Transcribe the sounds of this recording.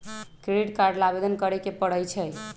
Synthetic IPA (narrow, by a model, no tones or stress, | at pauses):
kɾeɖiʈkaɾɖlabed̪ənkəɾɛkepəɽəjt͡ʃʰəj